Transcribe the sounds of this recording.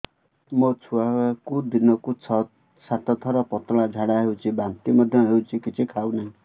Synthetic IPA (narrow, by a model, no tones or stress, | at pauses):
mʌt͡sʰuakud̪inʌkut͡sʰʌt̪ | sat̪ʌt̪ʰʌɾʌpɔt̪ɔɭ̃ãd͡zʱaɽaɦewt͡sʰibant̪imʌd̪ʱjʌ̃ɦeut͡sʰĩkit͡sʰikʰawnaĩ